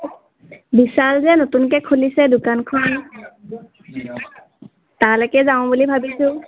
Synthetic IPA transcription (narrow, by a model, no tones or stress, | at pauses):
bisalzɛnotunkɛkʰulisɛdʊkankʰɔn | talɔkɛzaʊ̃bulibʱabisʊ̃